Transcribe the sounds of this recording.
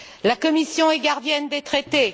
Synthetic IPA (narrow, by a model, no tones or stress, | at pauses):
lakɔmisjɔ̃ɛɡaʁd̪jɛnd̪et̪χet̪e